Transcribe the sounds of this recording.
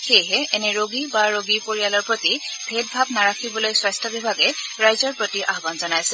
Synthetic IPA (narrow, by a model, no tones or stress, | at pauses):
xejɦɛʔɛnɛɹoɡibaɹoɡipoɹialɔɹpɹotibʱet̚bʱabnaɹakʰibɔlojswajstʰɔbibʱaɡɛɹajzɔɹpɹotiʔaɦɡanzɔnajsɛ